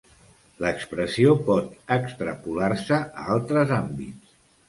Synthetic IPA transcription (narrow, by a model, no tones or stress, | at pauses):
ləkspɾəsiopɔt̪əkst̪ɾəpulaɾsəəalˠt̪ɾəzambits